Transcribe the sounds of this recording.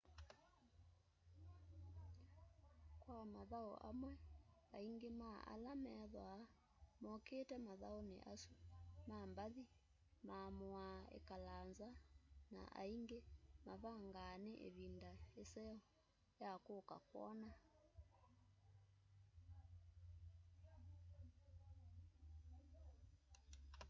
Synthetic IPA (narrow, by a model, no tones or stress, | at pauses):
kwamaðao̰ʔa̰mwɛaiŋɡemaʔa̰lamɛðwa | mɔkeːtɛmaðaonḛʔasumambaði | mamoaḛkalanzana̰ʔa̰iŋɡemaβaŋɡaːneʔḛβindaesɛɔ | jakoːka̰kwɔ̰na